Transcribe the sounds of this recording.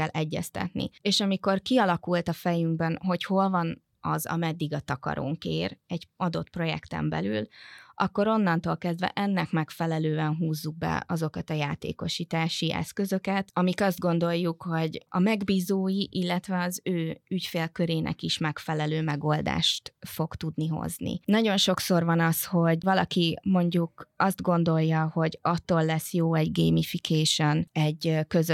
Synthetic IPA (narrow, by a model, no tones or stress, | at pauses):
ɛlʔɛɟːɛ̰st̪ɛ̰t̪nḭeːʃɒmiko̞rkiɒlɒkult̪ɒfɛjyŋɡbɛnɦo̞cho̞lvɒn | ɒ̰zɒ̰mɛd̪ːiɡɒt̪ɒkɒ̰ɾo̰ŋkḛːɾɛɟɒd̪o̞t̪pro̞jɛ̰kt̪ɛ̰mbɛ̰lylʔɒkːo̞ɾo̞nːɒnt̪oːlkɛzd̪vɛ̰ʔɛnːɛkmɛkfɛlɛløːɛnɦuːzːuɡ̚bɛ̰ɒzo̞kɒt̪ɒjaːt̪ḛːko̞ʃiːt̪aːʃiʔɛ̰skø̞zø̞kɛt̪ɒmikɒzd̪̚ɡo̞nd̪o̞jːukho̞ɟɒmɛɡbiːzoːjiʔilːɛt̪ʋɛɒzøːycfeːlkø̞ɾeːnʔɛ̰kiʃmɛkfɛlɛløːmɛɡo̞ld̪a̰ːʃt̪fo̞kt̪ud̪niɦo̞̰znḭnɒɟo̞nʃo̞kso̞rvɒnɒsho̞ɟvɒlɒkimo̞ɲɟukɒsd̪ɡo̞nd̪o̞jːɒho̞ɟɒt̪ːoːlːɛsːjoːɛɟɡejmifikʰeːʃonɛɟkøz